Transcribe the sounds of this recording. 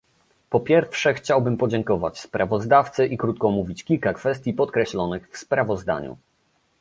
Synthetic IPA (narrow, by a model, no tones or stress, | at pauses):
pɔpʲjɛɾfʂɛxt͡ɕawbɘmpɔd͡ʑɛŋkɔva̰t͡ɕspɾʔavɔzd̪aft̪sɘʔikɾut̪̚kɔmuvʲit͡ɕkʲilkakfɛst̪ʲjipɔt̪kɾɛɕlɔnɘxfspɾavɔzd̪a̰ɲṵ